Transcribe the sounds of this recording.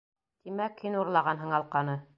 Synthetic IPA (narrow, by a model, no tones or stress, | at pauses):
t̪imækhinuɾlˠɑʁɑnɦɤɴɑlˠqɑnɤ